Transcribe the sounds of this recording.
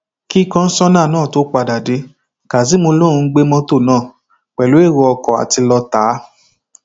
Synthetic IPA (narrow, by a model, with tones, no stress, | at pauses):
ki˦˨kã˧n̩˦sɔ˦nã˦˨nãː˦˨to˨˦k͡pa˧da˨de˨˦ | ka˨s̬i˨˦mo˧lõ˦ũ˧˦ɡ͡be˦mɔ̃˦to˦˨nãː˦˨ | k͡pɛ˨lo˨˦e˦˨wɔ˧ɔ˧kɔ˨a̰˨ti˧lɔ˧ta˨˦